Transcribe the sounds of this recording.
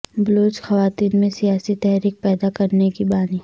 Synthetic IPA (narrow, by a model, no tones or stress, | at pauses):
bʊloːt͡ʃxɐʋaːt̪iːnmẽsijaːsit̪ɛɦɾiːk̚pɛːd̪akɐɾnekibaːni